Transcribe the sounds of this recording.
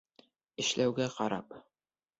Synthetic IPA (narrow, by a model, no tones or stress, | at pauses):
ɘ̆ʃlæwɡæqɒɾɑ̰p